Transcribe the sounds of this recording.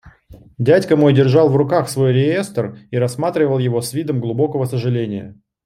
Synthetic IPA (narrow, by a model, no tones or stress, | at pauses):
dʲætʲkəmo̞jdʲɪrʐɑlˠvrʊkaxsvo̞jɾʲɪjest̪əriɾɐsːmat̪ɾʲɪvəlˠjɪvo̞svʲid̪əmɡlˠʊbo̞kəvəsəʐɨlʲenʲɪjə̰